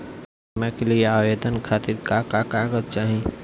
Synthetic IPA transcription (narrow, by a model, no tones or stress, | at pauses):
mekelieaːʋeːd̪ənkʰaːt̪ɪɾkakakaːɡəd̪̚t͡ʃaːɦĩ